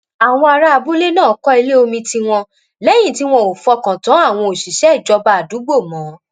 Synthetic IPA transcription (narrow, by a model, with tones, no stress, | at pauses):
a˨w̃ɔ̃˧a˧ɾa˦a˧bu˦le˦nãː˦˨˦kɔ˦i˧le˦o˧mĩ˧ti˧w̃ɔ̃˧ | lɛ˦j̃ĩ˦˨ti˦w̃ɔ̃˦o˨fɔ˧kã˨tã˨˦a˦˨w̃ɔ̃˧o˨ʃi˨ʃɛ˦i˦˨d͡ʒɔ˧ba˧˦a˨du˨˦ɡ͡bo˦˨mɔ̃˨˦